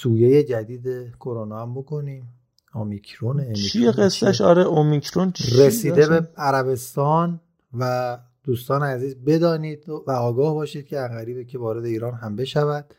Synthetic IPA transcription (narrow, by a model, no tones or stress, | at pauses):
suːjeje̞d͡ʒæd̪iːd̪ekʰo̞ɾonɒːæmbo̞kʰo̞niːm | omicʰɾonemiieɡesːæʃɒɾeʔomikʰɾont͡ʃresiːd̪e̞beæɾæβe̞st̪ɒːn | væ | d̪̥uːst̪ɒːneæziːzbe̞d̪ɒːniːd̪̥væɒːɡɒːhbɒːʃiːd̪̚cʰeæŋɡæɾiːbecʰe̞vɒːɾe̞d̪e̞iːɾɒːnɦæmbe̞ʃævæd̪̥̚